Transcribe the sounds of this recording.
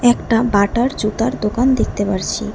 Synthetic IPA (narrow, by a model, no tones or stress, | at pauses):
ɛkʈabaʈaɾd͡ʑut̪aɾd̪okand̪ek̚ʰt̪epaɾt͡ɕʰḭ